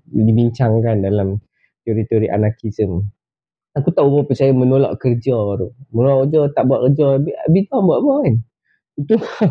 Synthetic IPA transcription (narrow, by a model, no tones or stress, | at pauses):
dibiɲt͡ʃaŋkandalam | t̪joɾit̪oɾiʔa̰nakisəm | akut̪aʔubɔpət͡ʃajamənolɔ̰ʔkərd͡ʒɔɾumənolaʔkəd͡ʒɔt̪aʔbuaʔkərd͡ʒɔbiabit̪aŋbuaʔbɔin | it̪u